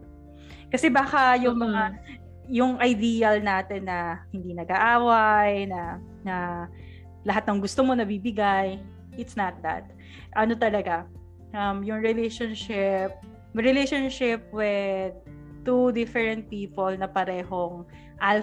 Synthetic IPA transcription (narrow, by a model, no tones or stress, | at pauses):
kɐsɛbaːkɐjʊŋmɐŋa | jʊŋʔɐjd̪iːjɐlnaːt̪ɛnːɐhɪnd̪inɐɡaʔaːwajnɐ | nɐ | lɐɦat̪nɐŋɡʊst̪omo̞nɐbibɪɡaj | ʔɪt̪snɐt̪̚d̪ɐ̰t̪̚ | ʔɐno̞t̪ɐlɐɡa | ʔɐmjʊŋɹɪlejʃonʃɪp̚ | ɹɪlejʃonʃɪp̚wɛ | t̪ud̪ɪfɛɹɛnt̪̚piːpolnɐpɐɾɛːhoŋ | ʔal